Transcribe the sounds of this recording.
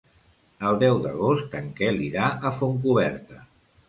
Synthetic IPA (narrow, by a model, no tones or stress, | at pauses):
əlˠd̪ɛwd̪ə̰ɣ̞ost̪əŋkɛliɾaəfoŋk̬uβ̞ɛɾt̪ə